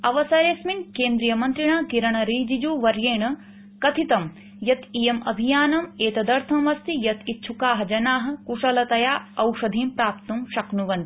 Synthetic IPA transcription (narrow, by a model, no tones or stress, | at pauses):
ɐʋɐsɐɾjesminkeːnd̪ɾijɐmɐnt̪ɾiɳaːkiɾɐɳɐɾiːd͡ʒid͡ʒuːʋɐɾjeːɳɐ | kɐt̪ʰit̪ɐm | jɐt̪ijɐmɐ̰bʱijaːnɐmeːt̪ɐd̪ɐɾt̪ʰɐmʋɐst̪ijɐt̪it̪ːt͡ʃʰukaːɦɐ̆d͡ʒɐnaːɦɐ̆kuʂɐlɐt̪ɐjaːɐwʂɐd̪ʱiːmpɾaːpt̪umʃɐknuʋɐnt̪i̥